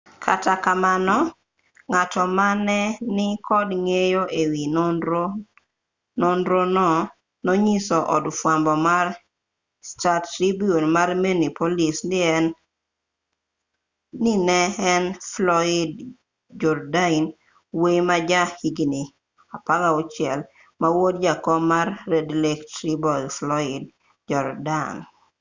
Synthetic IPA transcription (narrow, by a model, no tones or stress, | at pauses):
kʰatakamanɔ | ŋatɔmanɛnɪkʰɔdŋejoʔewinoo | nɔndɾonɔ | noɲisɔʔɔ̰dfwambɔmaɾ | statɾibionmarmenipolisnɪɛn | nɪnɛɛnflɔɪd | d͡ʒɔɾdain | wejmad͡ʒahiɡini | apaɡaot͡ʃɪɛl | mawod̚d͡ʒakɔmarːedlektɾibɔiflɔɪd̚ | d͡ʒɔɾdan